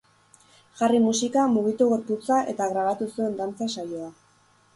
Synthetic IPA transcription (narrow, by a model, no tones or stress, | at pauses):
ʝarimusikamuɣit̪uɣe̞ɾput͡saʔe̞t̪aɣɾaβat̪usue̞nd̪ant͡sasajo̞a